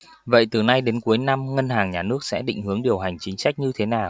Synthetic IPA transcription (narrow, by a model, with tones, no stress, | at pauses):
və̰˧˨jt̪ɨ˨˩na˧jɗe˨˦nku˨˦əjna˧mŋə˧nhaː˨˩ŋɲaː˨˩nɨ˦˥ək̚sɛ̰˧˥ɗḭ˧˨ŋ̟hɨ˨˦əŋɗi˨˩əwɦa˨˩jŋ̟t͡ɕï˨˦ŋ̟sa˦˥jk̟̚ɲɨ˧t̪ʰe˨˦naː˨˩w